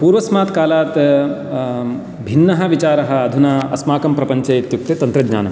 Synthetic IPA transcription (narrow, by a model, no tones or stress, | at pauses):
puːɾʋɐsmaːt̪kaːlaːt̪ | bʱinːɐɦɐ̆ʋit͡ʃaːɾɐɦɐ̆ːd̪ʱunaɐsmaːkɐmpɾɐpɐɲt͡ʃɐjit̪juk̚t̪et̪ɐnt̪ɾɐɡɲa̰ːnɐm